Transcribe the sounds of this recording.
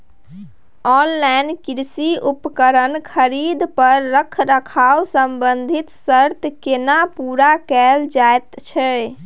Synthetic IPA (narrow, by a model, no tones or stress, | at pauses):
ɔnlajnkiɾsiupkəɾənkʰəɾid̪pəɾːəkʰɾəkʰawsəmbənd̪ʱit̪səɾt̪kenapuɾakɛld͡ʒaet̪t͡ʃʰɛ